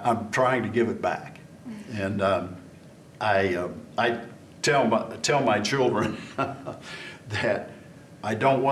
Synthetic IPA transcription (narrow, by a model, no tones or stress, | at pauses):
ãɪ̃mtʰɹ̥aɪɪ̃ŋtɨɡɪvɨt̚b̥æ̰k | ɨ̃nʌ | ʔaɪʌaɪ | tʰɛlˠmatʰɛlˠmaɪt͡ʃʰɪlˠdɹɨ̃n | ðɨɾ | aɪdõʊ̃nʔ̚w